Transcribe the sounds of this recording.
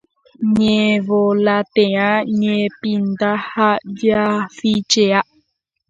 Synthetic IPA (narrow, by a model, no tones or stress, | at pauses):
ɲevolat̪ẽãɲẽpind̪ahaʔd͡ʒjafit͡ʃeaʔ